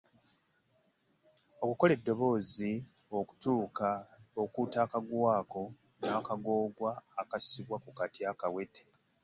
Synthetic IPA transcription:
o̞kuko̞le̞dːo̞βo̞ːzi | o̞ku̥tuːkaokuːtaːkaɡwaːko̞ | naːkaɡo̞ːɡwaːkasiβwakukatiakawe̞te̥

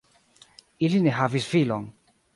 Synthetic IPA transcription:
ilineɦavisfilɔŋ

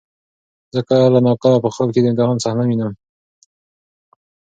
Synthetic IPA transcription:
zəkalanɑqalapəxəlked̪əɪnt̪ɪhɑnsahnawinəm

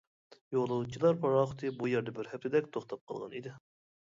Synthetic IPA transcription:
jolˠuwut͡ʃʰilˠɑɾpʰɑɾɑχʊ̥t̪ʰɨbujɛɾd̪ɛbɪɾhɛp̚t̪ʰɪd̪ɛkʲt̪ʰoχt̪ʰɑp̚qʰəlˠʁɑ̰nid̪ɪ

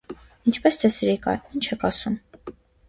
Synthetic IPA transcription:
int͡ʃʰpɛst̪ɛsɾikɑ̰int͡ʃʰɛkʰɑsum

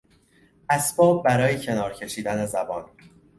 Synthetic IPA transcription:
ʔæsb̥ɒːb̚ːæɾɒːjecʰe̞nɒːɾcʰe̞ʃiːd̪ænezæbɒːn

